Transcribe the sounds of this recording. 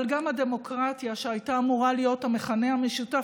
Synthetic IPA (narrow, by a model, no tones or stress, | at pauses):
lɡamade̞mo̞kʁatjaʃeajtaːmuʁalijo̞thame̞χane̞hame̞ʃuta